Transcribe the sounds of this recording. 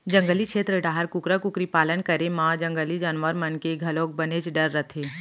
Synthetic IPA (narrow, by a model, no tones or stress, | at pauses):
d͡ʒɐ̃ŋɡəlikʃʰeːt̪ɾəɖaːɦəɾkʊkɾəkʊkɾipaːlənkəɾemãːd͡ʒɐ̃ŋɡəlid͡ʒaːnʋəɾmənkeɡʱɐlõːk̚bɐnet͡ʃɖəɾːət̪ʰeː